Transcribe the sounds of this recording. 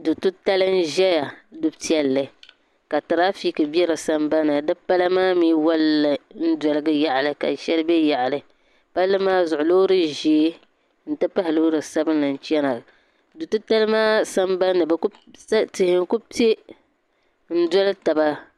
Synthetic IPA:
du˨tu˦ta˦lɨ˦n̩˦ʒɛ˦ja˨dʊ˦bti˦ɛ˦lːɨ˨ | ka˨tɨ˨ɾa˦fi˦kɨ˨bi˦ɛ˦ɾɨ˨sa˦mba˦nɨ˨dɨ˦pa˦la˦maː˦miː˦wa˦llːɨ˨n̩˦dɔ˨lɨ˦ɡɨ˦ja˨ʔa˨lɨ˨ka̰˨ʃɛ˦lɨ˦bɛ˦ja˨ʔlɨ˨ | pa˦lːɨ˦maː˦zʊ˨ʔʊ˨lo˦ɾɨ˦ʒi˨e˦ | n̩˨tɨ˦pa˦hɪ˨lo˦ɾɨ˨sa˦bɨ˦nlɨ˨n̩˨t͡ʃɛ˦na˨ | du˨tu˦ta˦lɨ˦maː˦sa˦mba˦nːɨ˨bɛ˨ku˦ | stɪ˨hɪ˨ŋ˦ku˦te˦ | n̩˦dɔ˦lɨ˦ta˨ba˦

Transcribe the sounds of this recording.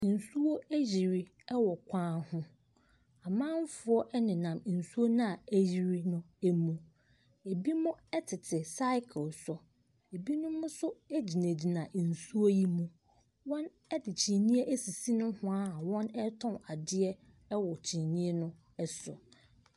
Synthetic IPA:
n̩˨su˦wo˦æ˦ʑi˨ɾi˦ | ɛ˦wɔ˨kʷʰãː˦hʊ̃˦ | a˨mãː˦m̩˦fʊ˨˦ɔ˦ʔɛ˦nɪ̃˨nã˨m˨n̩˨su˦o˦nã˦a˨æ˦ʑi˨ɾi˦nʊ̃˦ | e˦mũ˨ | e˨bi˦mʊ̃˦ɛ˦tʰɪ˨tʰɪ˨sa˦ɪ˦kʰlsʊ˨ | e˨bi˦nʊ̃˦mʊ̃˦sʊ˦ɛ˦d͡ʑi˨næ̃˨d͡ʑi˨nã˨n̩˨su˦o˦ji˦mũ˦ | wɔ̃˦n | ɛ˦dɪ˨t͡ɕʰĩ˨nĩ˦ɛ˦ʔæ˦si˨si˦nʊ̃˦hʊ̃˦a˦˨wɔ̃˦nɛ˦tʰɔ̃˦a˨dɪ˦ɛ˦ | wɔ˨t͡ɕʰĩ˨nĩ˦ɛ˦nʊ̃˦ | ɛ˦sʊ̰˨

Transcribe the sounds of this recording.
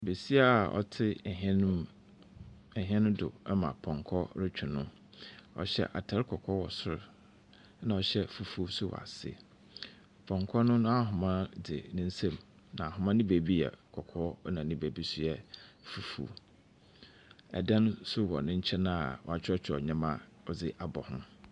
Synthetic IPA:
be˨si˦a˦˨ɔ̰˨tʰɪ˦˨ɦɛ̃˦ñ˦ | ɛ˨ɦɛ̃˦nʊ̃˦dʊ˨ɛ˦mã̰˨pʰɔ̃˨ŋkʰɔ˦ɾɪ˦t͡ɕᶣʰʊ˨nʊ̃˦ | ɔ̰˨ɕɛ̰˦ʔa̰˨tʰa˨ɾɪ˦kʰɔ˨kʰɔ˦wɔ˨sʊ˦ɾʊ˨ | nã˨ɔ˨ɕɛ˦fu˨fu˦sʊ˦w̰a̰˨sɪ̰˦ | pʰɔ̃˨ŋkʰɔ˦nʊ̃˦nʊ̃˦a˦ɦʊ˨mã˦dɪ˨nɪ̃˦n̩˦sẽ˦˨m | nã˨a˨ɦʊ̃˨mã˦nɪ̃˦be˨bi˦ɛ̰˨kʰɔ˨kʰɔ˦nã˨nɪ̃˦be˨bi˦sʊ˨ɛ˦˨fu˨fṵ˨ | ɛ̰˨dã˦nʊ̃˦sʊ˦wɔ̰˨nʊ̃˦ɲ̩˦t͡ɕʰɛ˦nã˦˨wɔ˨a˨t͡ɕʰᶣɪ˦ɔ˦t͡ɕʰᶣɔ̰˨ɲã˦mã˦ | ɔ˨d͡zɪ˦ʔa˨bɔ̰˨hʊ̰̃˦

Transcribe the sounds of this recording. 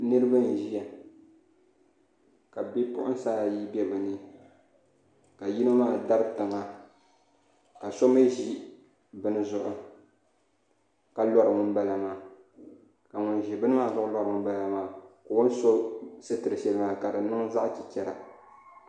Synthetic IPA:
nɨ˦ɾɨ˦ba˦n˨ʒi˦a˨ | ka˨bɛ˦pʊ̰˦ʔʊ̰˦n˦saː˦˨ji˦bɛ˦bɨ˨nɨ˦ | ka˨ji˦nɨ˦maː˦˨da˦ɾɨ˦tɨ˨ŋa˦ | ka˨so˦mɨ˦ʒi˦ | bɨ˦nɨ˦zʊ˦ʔʊ˨ | ka˨lɔ˦ɾɨ˨ŋʊ˦nba˦la˨maː˨ | ka˨ŋʊ˨nʒi˨bɨ˦nɨ˦maː˦˨zʊ˦ʔʊ˦la˦ɾɨ˨ŋʊ˦nba˦la˨maː˨ko˨wʊ˦n˦so˦sɨ˦tɨ˨ɾɨ˨ʃɛ˨lɨ˦maː˨ka˨dɨ˨nɨ˦ŋza˦ʔt͡ʃi˨t͡ʃɛ˨ɾa̰˨

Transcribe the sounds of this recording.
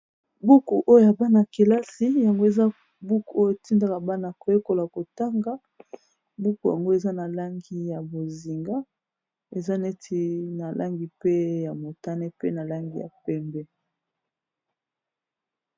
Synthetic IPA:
bu˦ku˨ʔo˦jo˨ja˨ba˦na˨ki˨la˦si˦ja˨ŋɡo˦e˨za˦ | bu˦ku˨o˦jo˦˨e˨ti˦nda˦˨ka˨ba˦na˨ko˨je˦ko˨la˨ko˨ta˦ŋɡa˦ | bu˦ku˨ja̰˨ŋɡo˦e˨za˦na˨la˦ŋɡi˦ja˨bo˨zi˨ŋɡa˦ | e˨za˦ne˦tʰi˨˦na˨lʔa˦ŋɡi˨pe˦ja˨mo˨ta˦ne˦pe˦na˨la˦ŋɡi˨ja̰˨pɛ˦mbɛ˦

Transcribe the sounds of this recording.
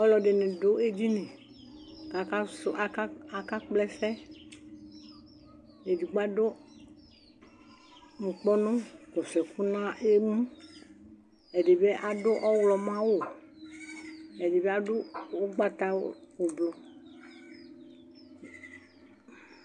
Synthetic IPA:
ɔ˦lɔ˨ɖe˨nẽ˨do˦e˦d͡ʑi˦nẽ˨ | ka˨ka˦so˦ʔa˦ka˦a˨ka˦k͡plɛ˦fɛ˦ | e˨di˨ɡ͡ba˦ɖo˦ | ŋ̩˨k͡pɔ˦nõ˦kɔ˨sɛ˨ku˦nã˦e˦mũ˦ | e˨ɖe˨be˦ʔa˨do˦ʔɔ˦wlɔ˨mã˦wo˦ | e˨de˨be˦a˨ɖo˦o˦ɡ͡ba˦t̪a˦wo˨blɔ˨

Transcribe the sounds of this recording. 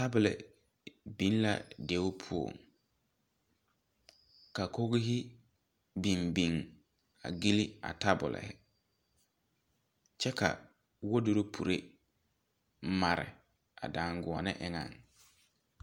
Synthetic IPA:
ta˦bʊ˨lɪ̰˨ | bĩ˨n˦la̰˨de˦ʊ˦pʰu˦o̰˨ŋ | ka˨ko˦ɡɪ˦ɦɪ˦ | bi˨mbi˨ŋ | a̰˨ɡi˦li˦a̰˨ta˦bʊ˨lɪ̰˨hɪ˦ | t͡ʃɛ˦ka̰˨ | wo˦do˦ɾo˦pʰu˨ɾe˦ | ma˨ɾɪ̰˨ | a̰˨daː˨ŋ˦ɡʊ˨a˨nɪ˦ʔɪ˦ŋa̰˨ŋ

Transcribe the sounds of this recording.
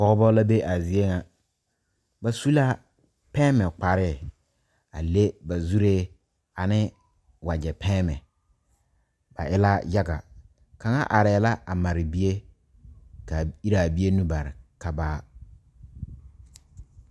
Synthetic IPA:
kɔ˦ɣɔ˦bɔ˦la˦be˦ʔa˨zi˨e˦ŋa˨ | ba˨su˦la˦ | pɛː˦mɛ˨k͡pa˨ɾɪ˦˨ | a˨le˦ba˨zu˦ɾeː˦ | a˨nɪ˦ | wa˨d͡ʒɛ˨pʰɛː˦mɛ˨ | b̥a˨ʔɪ˦la˦ja˦ɡa̰˨ | ka˨ŋa˦ʔa˨ɾɛ˨la˦ʔa˨ma˨ɾɪ˨bi˦e˦ | ka˨i˦ɾa˨bi˦e˦nũ˦ba˨ɾɪ˨ka˦baː˦

